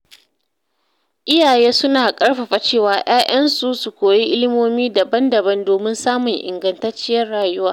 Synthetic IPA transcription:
ʔɪ˦jaː˨jeː˦sʊ˦naː˨kʼɐ˦ɽɸa˨ɸa˨t͡ʃeː˦˨waː˨j̰aː˦ʔɐ˦nsu˨su˨kʷoː˨ji˦ʔɪ˦lɪ˦moː˦miː˦da˨bɐ˦ndɐ˨bɐ˦ndoː˨mɪ˦nsaː˦mʊ˨ŋʔɪ̰˨ŋɡɐ˨ntɐ˦t͡ʃɪ˦jɐ˦rɽaː˨jʊ˦waː˦

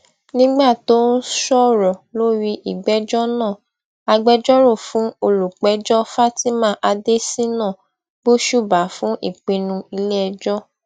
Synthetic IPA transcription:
nĩ˦ɡ͡ba˦˨to˨˦n̩˦ʃɔ˦ɾɔ˨lo˦ɾi˧ʔi˨ɡ͡bɛ˨˦d͡ʒɔ˦nãː˦˨ | a˧ɡ͡bɛ˧˦d͡ʒɔ˦ɾo˦˨fũ˨˦o˧lu˨k͡pɛ˨˦d͡ʒɔ˦fa˦ti˦mã˦˨˦ʔa˧de˦si˦nã˦˨ | bo˦ʃu˦˨ba˨˦fũ˨˦ʔḭ˦˨k͡pe˧nũ˧i˧le˦ɛ˧d͡ʒɔ˦

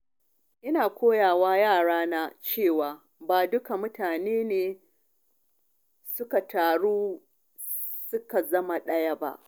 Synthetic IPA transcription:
ʔɪ˦naː˨kʷoː˦jaː˨waː˦jaː˦˨ɽaː˦naː˦t͡ʃeː˦˨waː˨ | baː˨dʊ˦ka˨mʊ˦tʰaː˨neː˦neː˨ | sʊ˦ka˨taː˨ɽuː˦ | sʊ˦ka˨zɐ˦ma˨ɗɐ˦ja˦ba̰˦ʔ

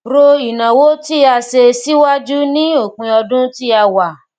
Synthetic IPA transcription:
ɾo˧i˨nã˨wo˨˦ti˦a˧ʃe˧si˦wa˦d͡ʒu˦nĩ˦o˦˨kũ˧ɔ˧dũ˦ti˦a˧wa˨

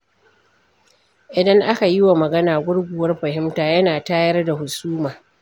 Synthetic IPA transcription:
ʔɪ˨dɐ˦ŋʔa˦ka˨ji˦wa˨mɐ˨ɡɐ˦naː˨ɡʷʊ˦ɽɡʷʊ˨wɐ˦rɸɐ˨ɦɪ˦mtaː˨jɐ˦naː˨taː˦jɐ˦rda˨hʊ˨suː˦maː˨

